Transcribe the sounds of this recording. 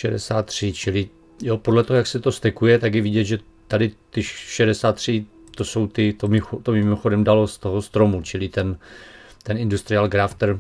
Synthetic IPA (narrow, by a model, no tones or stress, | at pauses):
ʃɛdɛ̰saːt̪ːr̝̥ɪt͡ʃɪlɪ | jopodlɛt̪oɦojaksɛt̪o̞st̪ɛkujɛt̪aɡjɛvɪɟɛd̪ʒɛ | t̪adɪt̪ɪʃɛdɛsaːt̪ːr̝̥ɪ | t̪o̞so̞wt̪ɪt̪omɪxot̪omɪmoxo̞dɛmdalo̞st̪o̞ɦost̪ɾo̞mut͡ʃɪlɪt̪ɛnt̪ɛnɪndust̪ɾɪalɡɾaft̪ɛɾ